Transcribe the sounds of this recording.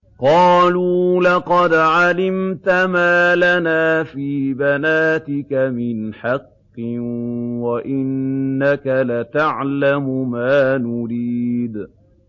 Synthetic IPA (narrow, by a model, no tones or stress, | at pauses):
qɑːluːlɑqɑd̪ʕalɪmt̪amaːlanaːfiːbanaːt̪ɪkamɪnħɑqːɨwaʔɪnːakalat̪aʕlamʊmaːnʊɾiːd̪